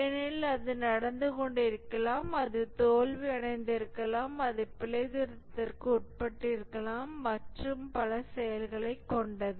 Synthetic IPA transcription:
ɛnɪlɐðɯnɐɽɐnd̪ɯkɔɳɖɪɾɯkːɐlaːmɐðɯt̪oːlʋiɐɳɐɪnd̪ɪɾɯkːɐlaːmɐðɯpɪlɐɪðɪɾɐt̪ːɐrkɯʊʈ̚pɐʈːɪɾɯkːɐlaːmːɐʈrɯmpɐlɐsɛjɐlɣɐɭɐɪkːɔɳɖɐðɯ

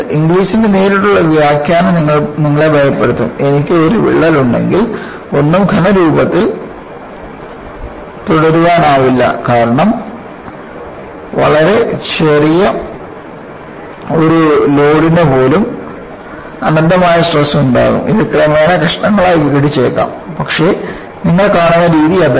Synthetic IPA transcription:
iŋɡliːsindeneːɾiʈːuɭːɐʋjaːkjaːnniŋːɐɭniŋːɐɭebʱɐjɐpːeɽut̪ːṵme̞nikʲːɨo̞ɾuʋḭɭːɐluɳɖe̞̰ŋɡil | o̞nːumɡʱɐnɐɾuːbɐt̪ːil | p̪uɽɐɾuʋaːnaːʋilːɐ̰kaːɾɐɳɐm | ʋɐ̰ɭɐɾe̞t͡ɕerijɐ | o̞ɾulo̞ːɽinepo̞ːlum | ɐnɐnd̪ɐmaːjɐsʈrɐsuɳɖa̰ːɣṵmʔiðɨkrɐmeːnɐkɐʂɐɳɐŋːɐɭaːjʋiɡɐɽit͡ɕːe̞ːkːa̰ːmpɐkʂe̞ː | niŋːɐɭkaːɳunːɐɾiːðijɐð

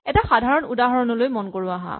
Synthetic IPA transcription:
ɛtaxadʱaɹɔnudaɦɔɹɔnɔlojmɔnkoɹʊaɦã̰

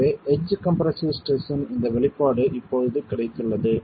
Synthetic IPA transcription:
eːɛd͡ʒkɐmpɐɾɐsisʈeːsɐnɪnd̪ɐʋɛɭɪpːaːɽɯʔɪpːoːðɯðɯkɪɽɐɪt̪ːɯɭːɐðɯ

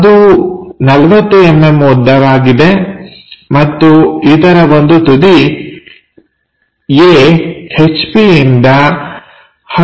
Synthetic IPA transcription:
ɐd̪unɐlɐʋɐt̪ːuemːe̞mud̪ːɐʋaːɡid̪e̞ | mɐt̪ːuid̪ɐɾɐʋo̞nd̪ut̪ud̪i | eːet͡ʃpiind̪ɐ | hɐ

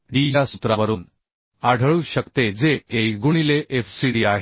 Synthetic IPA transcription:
ɖijasut̪ɾaʋəɾuːn | aɽ̤ʱəɭuːɕəkt̪ed͡zeejɡuɽ̃ileʔefsiɽiaɦe

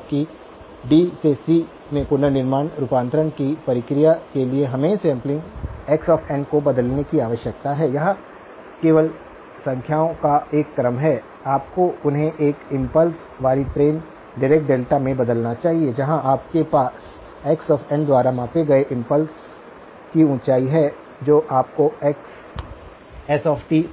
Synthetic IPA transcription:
ki | ɖiːsesi | mẽpʊnənɪɾmaːnɾupãːnt̪ɾənkipɐɾɪkɾijakelieɦɐmeːsɛ̃ːmplɪ̃ŋɡɛːksɔːfʰɛ̃ɳɖkobɐd̪əlnekiaːʋəʃjək̚t̪aɦɛːjɐɦã | keːʋəl | sɐ̃ŋkʰjaːõkaeːkːɐɾəmɦɛː | aːp̚koʊnɦẽʔeːkɪ̃mpəls | ʋaːɾiʈɾeːn | ɖɪɾeːkʈ̚ɖeːlʈamẽbɐd̪əlnat͡ʃaːɦied͡ʒɐɦãʔaːp̚kepaːs | ɛːksɔːfʰɛ̃ɳɖd̪waːɾamãːpeɡɐeʔɪ̃mpəls | kiʊ̃ːt͡ʃaːiɦɛ | d͡ʒoːʔaːp̚koɛːks | ɛsɔːfʈi

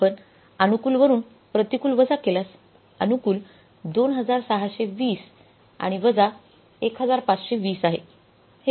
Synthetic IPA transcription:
pəɳ | ənukuːlʋəɾuːn | pɾət̪ikuːlʋəd͡zakelas | ənukuːl | d̪onɦəd͡zaɾsaɦaɕeʋiːs | a̰ɽ̃iʋəd͡za | ekɦəd͡zaɾpat͡sɕeʋiːsaɦḛ | h

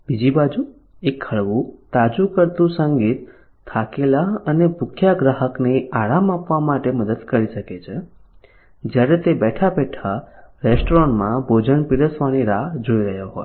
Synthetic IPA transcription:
b̥id͡ʒibad͡ʒu | ekʰːəɭʋũt̪ad͡ʒukəɾt̪ũsəŋɡit̪ʰː | akelaənebʱʊkʰjaɡɾaɦəkneaɾamapʋamaʈeməd̪əd̪kəɾiʃəket͡ʃʰe | d͡ʒjaɾet̪ebɛʈʰabɛʈʰaɾesʈoɾɔɳmãbʱod͡ʒəɳpiɾəsʋaniɾaɦd͡ʒoiɾəɦjoɦoj

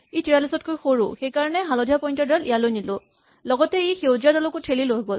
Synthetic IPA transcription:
ejtiɹalisɔt̚kojxoɹʊ̰xejkaɹɔnɛɦalɔdʱijapɔjntɔdalijalojnilʊ | lɔɡɔtɛejxewziadɔlɔkʊtʰeliloɦɡɔl

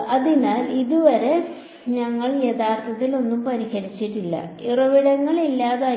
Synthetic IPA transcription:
ɐðinaːliðuʋɐɾe̞ | ɲɐŋːɐɭjeðaːrt̪ʰɐt̪ːilo̞nːumpɐɾiɣɐlit͡ɕːiʈːilːɐ̰irɐʋiɽɐŋːɐɭilːaːðaː

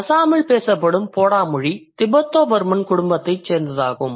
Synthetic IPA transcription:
ɐsaːmɐɭpeːsɐpːɐɽɯmpoːɽaːmʊɻit̪ɪbɐt̪ːoːʋɐɾmɐnkʊɽʊmbɐt̪ːɐɪt͡ʃseːɾnd̪ɐðaːɣɯm

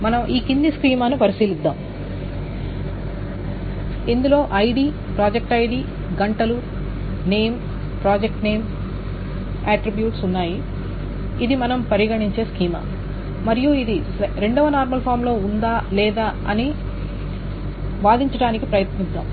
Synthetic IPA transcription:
mɐnɐmʔiːkind̪iskɾiːmaːnupɐɾisiːlid̪ːa̰ːm | ind̪ulo̞ːʔɐjɖiː | pɾaːd͡ʒek̚ʈɐjɖi | ɡɐɳʈɐlu | ne̞ːm | pɾaːd͡ʒek̚ʈneːm | aːʈɾibjuːʈsunːaːjiː | d̪imɐnɐmpɐɾiɡɐɳiɲt͡ʃe̞ːskiːma̰ː | mɐɾijuid̪i | ɾe̞ɳɖɐʋɐnaːɾmɐlpʰaːɾmlo̞ːund̪aːlɛːd̪aːɐni | ʋaːd̪iɲt͡ʃɐɽaːnikipɾɐjɐt̪nid̪ːa̰ːm

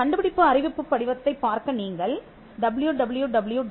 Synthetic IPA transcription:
ɐɳɖɯbɪɽɪpːɯɐrɪʋɪpːɯpːɐɽɪʋɐt̪ːɐɪpːaːɾkɐniːŋɡɐɭ | ɖɐbljuɖɐbɯljuɖɐbɯljuɖ

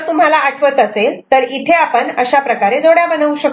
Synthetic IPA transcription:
t̪um̤ɦalaːʈʰʋət̪əselt̪əɾit̪ʰeapəɳəɕapɾəkaɾed͡zoɽjabənəʋuɕək

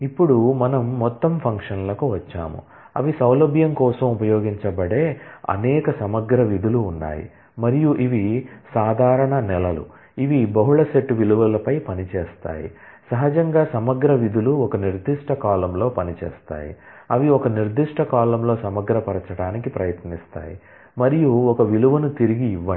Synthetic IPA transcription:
ipːuɽumɐnɐmːɔt̪ːɐmpʰɐŋkʂɐnlɐkuʋɐt͡ʃːa̰ːmṵ | ɐ̰ʋisɐwlɐbʱjɐmkɔːsɐmupɐjoːɡiɲt͡ʃɐbɐɽe̞ːɐ̰nɛːkɐsɐmɐɡɾɐʋid̪ʱuluːnːa̰ːjḭ | mɐɾijuʔiʋisaːd̪ʱaːɾɐɳɐnɛlɐlṵ | iʋibɐɦuɭɐseʈːʋiluʋɐlɐpɐjpɐnit͡ʃeːst̪a̰ːjḭ | sɐɦɐd͡ʒɐŋɡaːsɐmɐɡɾɐʋid̪uluɔkɐniɾd̪iʂʈʰɐkaːlɐmlo̞ːpɐnit͡ʃḛːst̪a̰ːjḭ | ɐʋiɔkɐniɾd̪iʂʈʰɐkaːlɐmlo̞ːsɐmɐɡɾɐpɐɾɐt͡ʃɐɽaːnikipɾɐjɐt̪nist̪a̰ːji | mɐɾijuɔkɐʋiluʋɐnut̪iɾiɡiːʋːɐ

